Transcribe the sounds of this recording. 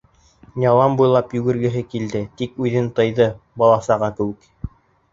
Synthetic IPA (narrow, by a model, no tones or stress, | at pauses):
nʲɑlˠɑmbujlˠɑpjɵ̆ɡɘ̆ɾɡɘ̆ɦɘkild̪ɘt̪ikʉðɘnt̪ɤ̆jðɤbɑlˠɑsɑʁɑkɘ̆wɘ̆k